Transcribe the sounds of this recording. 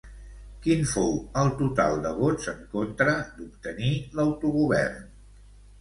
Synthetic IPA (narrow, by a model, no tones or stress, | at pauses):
kinfowəlˠt̪ut̪a̰lˠd̪əβod͡zəŋkont̪ɾəd̪upt̪əniləwt̪uɣuβɛ̰rn